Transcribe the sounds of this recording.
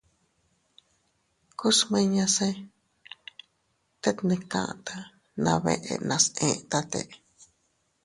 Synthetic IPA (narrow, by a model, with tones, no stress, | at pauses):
ku˦smẽ˧ɲã˧sẽ˦ | t̪e˦t̪nẽ˧kã̰˧˨ʔt̪a˧ | nã˧βḛ˧ʔḛ˧nã˧sẽ˧t̪a˧t̪ḛ˧ʔ